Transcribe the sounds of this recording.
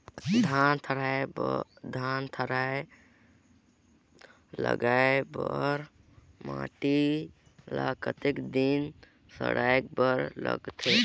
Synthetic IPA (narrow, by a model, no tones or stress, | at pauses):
d̪ʱant̪ʰəɾaebd̪ʱant̪ʰəɾae | lə̰ɡaebɔɾ | ma̰ʈi | lakət̪ekd̪in | sə̰ɽaek̚bəɾlə̰ɡt̪ʰe